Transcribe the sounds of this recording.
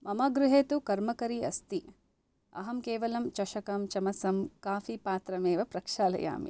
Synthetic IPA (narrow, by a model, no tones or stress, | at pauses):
mɐmɐɡɾuɦeːt̪ukɐɾmɐkɐɾiɐ̰st̪i | ɐ̰ɦɐmkeːʋɐlɐmt͡ʃɐʃɐkɐmt͡ʃɐmɐsɐmkaːfipaːt̪ɾɐmeːʋɐpɾɐkʂaːlɐ̰ja̰ːmḭ